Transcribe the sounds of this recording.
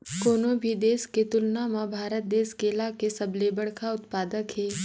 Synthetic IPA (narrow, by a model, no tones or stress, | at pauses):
koːnobʱid̪eːsket̪ʊlnamãbʱaːɾət̪̚d̪eːskeːlakesɐblebəɽkʰaʊt̪paːd̪əkɦɛː